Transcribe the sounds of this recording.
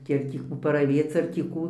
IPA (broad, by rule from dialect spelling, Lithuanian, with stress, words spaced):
ˈkʲiɛk tʲiː ˈkuː pɐrɐˈʋʲeːt͡s ɐr tʲiː ˈkuː